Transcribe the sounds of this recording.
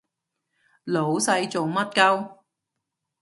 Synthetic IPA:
lo˨˥wsɐ˧jt͡sʊ˨ŋmɐ˥t̚kɐ˥w

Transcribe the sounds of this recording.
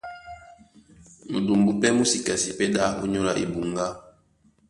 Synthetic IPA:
mṵ˨du˨mbu˦pɛ˦mu˦si˨ka˨si˨pɛ˦ɗa˦o˦ɲo˦la˦ʔḭ˨bu˨ŋɡa˦

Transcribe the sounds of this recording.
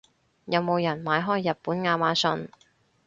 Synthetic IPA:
jɐ˨˧wmo˨˧wjɐ˨˩nmaː˨˧jɦɔː˥jːɐ˨t̚puː˨˥nŋaː˧maː˨˥sɵ˧n

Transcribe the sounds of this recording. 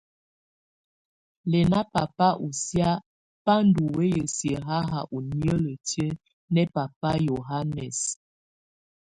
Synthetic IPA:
lɛ˨na˦pa˨pa˦ʔu˨sja˦ | pa˦n˦du˨we˦jə˨sjə˨ɦa˦ɦa˨ʔu˨ni˦ə˦lə˨tjə˦ | nɛ˦pa˨pa˦jo˨ɦa˦nɛ˨s

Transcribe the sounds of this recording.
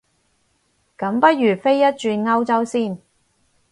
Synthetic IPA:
kɐ˨˥mpɐ˥t̚jyː˨˩fe˥jːɐ˥t̚t͡ʃyː˧nŋɐ˥wt͡sɐ˥wsiː˥˩n

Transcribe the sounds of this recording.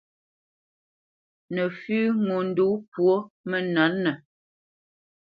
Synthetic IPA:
nə˨fʉː˦ŋo˨n̩˦du˨˦pwo˦mə˦na˨˦nːə˨

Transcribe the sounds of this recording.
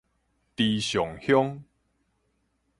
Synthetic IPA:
t̪i˨˧ɕjɔ˨˩ŋhjɔ˦ŋ

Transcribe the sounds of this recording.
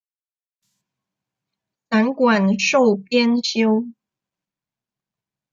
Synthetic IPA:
t͡sa˧˥nkwa˨˩nʂo˥˨˩ʊpjɛ˥nɕjo˥ʊ

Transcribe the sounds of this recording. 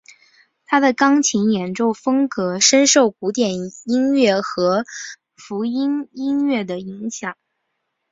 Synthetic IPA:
t̪ʰa˥d̪ə˨kɑ˥ŋt͡ɕʰi˧˥ŋjɛ˨˩nʈ͡ʂo˥˩ʊfɤ˥ŋkɤ˧˥ʂə˥nʂo˥˩ʊku˧˥t̪jɛ˨˩ni˥nɥɛ˥˩xɤ˧˥ | fu˧˥i˥ni˥nɥɛ˥˩d̪ə˩i˧˥ŋɕjɑ˨˩˦ŋ

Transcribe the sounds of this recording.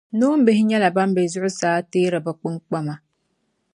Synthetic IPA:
nu˦m̩˦bɪ˦hɪ˦ɲɛ˦la˨ba˦m˦bɛ˨zʊ˦ʔʊ˦saː˦teː˦ɾɨ˨ba˨k͡pɨ˦ŋk͡pa˦ma˨

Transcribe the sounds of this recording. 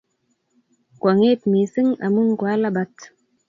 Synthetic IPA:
kwa˨ŋe˦tmi˨sɨ˦ŋa̰˨mu˦ŋka˦la˦ba˦t

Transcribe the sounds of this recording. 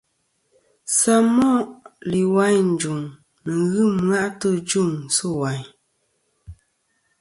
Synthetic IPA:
sa˦mɔ˦˨ʔli˨wa˦ɲn̩˨d͡ʒu˨ŋ | nə˨ɣɨ˦˨mɰa˦ʔtə˦d͡ʒu˦˨ŋsɨ˦˨wa˨ɲ

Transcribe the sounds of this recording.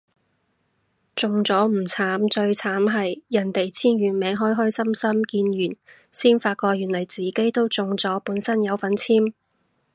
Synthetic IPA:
t͡sʊ˨ŋt͡sɔː˨˥m̩˨˩t͡sʰaː˨˥mt͡ʃɵ˧ɥt͡sʰaː˨˥mɦɐ˨jjɐ˨˩nt̪e˨jt͡sʰiː˥nɥyː˨˩nmɛː˨˧˥ŋɦɔː˥jɦɔː˥jsɐ˥msɐ˥mkiː˧njyː˨˩nsiː˥nfaː˧t̚kɔː˧jyː˨˩nlɐ˨˩jt͡siː˨ke˥jt̪o˥wt͡sʊ˨ŋt͡sɔː˨˥puː˨˥nsɐ˥njɐ˨˧wfɐ˨˥nt͡sʰiː˥m

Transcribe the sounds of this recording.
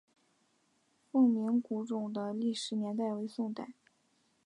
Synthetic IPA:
fɤ˥˩ŋmi˧˥ŋku˧˥ʈ͡ʂʊ˨˩ŋd̪ə˦li˥˩ʂɻ̩˧˥njɛ˧˥nt̪a˥˩ɪwe˧˥ɪsʊ˥˧ŋt̪a˥˩ɪ

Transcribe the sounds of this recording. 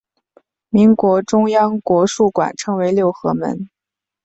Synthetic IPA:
mi˧˥ŋkwɔ˧˥ʈ͡ʂʊ˥ŋjɑ˥ŋkwɔ˧˥ʂu˥˩kwa̰˨˩nʈ͡ʂʰɤ˧˥ŋwe˧˥ɪljo˥˩ʊxɤ̰˧˥mə̰˧˥n

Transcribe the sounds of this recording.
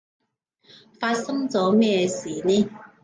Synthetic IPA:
fa˧t̚sɤ˥ŋt͡sɔ˨˥mɛː˥˧˩siː˨˩ni˦˥

